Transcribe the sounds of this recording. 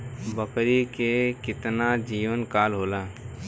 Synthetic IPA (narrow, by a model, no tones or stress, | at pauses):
bəkɾikekɪt̪nad͡ʒiːʋənkaːlɦoːlaː